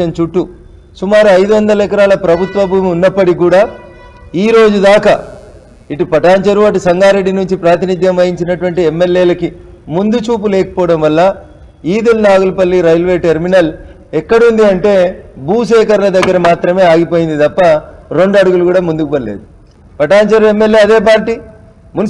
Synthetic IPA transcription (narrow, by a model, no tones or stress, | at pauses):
ɐnt͡ʃuʈːu | sumaːɾuɐjd̪uʋɐnd̪ɐlɛkɐɾaːlɐpɾɐbʱut̪ʋɐbʱuːmiunːɐpːɐɽikuːɽaː | iːɾo̞ːd͡ʒud̪aːkɐ | iʈupɐʈaːɲt͡ʃɐɾuɐʈusɐŋɡaːɾe̞ɖːinuɲt͡ʃipɾaːt̪̬inid̪ʱjɐmʋɐjiɲt͡ʃinɐʈuʋɐɳʈiemːe̞lːeːlɐkimund̪ut͡ʃuːpulɛːkɐ̥pɔːɐɽɐmʋɐlːɐ | iːd̪ulnaːɡulɐpɐlːiɾɐjlʋe̞ːʈeɾminɐl | ɛkːɐɽund̪iɐɳʈe̞ːbʱuːʃɛːkɐɾlɐd̪ɐɡːɐɾɐmaːt̪ɾɐme̞ːaːɡipo̞ːjind̪it̪ɐpːɐɾo̞ɳɖɐɽuɡulukuːɽaːmund̪ukupɐlḛːd̪u | pɐʈaːɲt͡ʃɐɾue̞mːe̞lːjeːɐd̪e̞ːp̬aːɾʈiː | mun